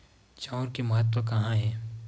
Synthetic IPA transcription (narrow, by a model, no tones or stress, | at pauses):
t͡ʃaʊɾkemɐɦət̪̬wəkɐɦãɦɛː